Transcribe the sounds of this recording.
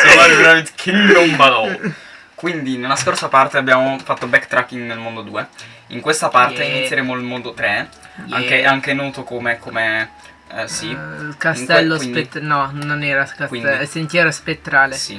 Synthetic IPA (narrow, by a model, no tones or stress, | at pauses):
olaɾivɾavit̪kʰeɾombalɔ | kwind̪inelːaskorsapart̪eabːjaːmofat̪ːobɛkːt̪ɾakːiŋɡnelmond̪od̪uːe | iŋkwest̪apart̪einit̪sːjeɾeːmoilmond̪ot̪ɾe | a̰ŋkeaŋkenɔːt̪okomekome | silkast̪ɛlːoispet̪ːnɔnonɛːɾaskaswiɛsent̪jɛɾaspet̪ːɾaːlesi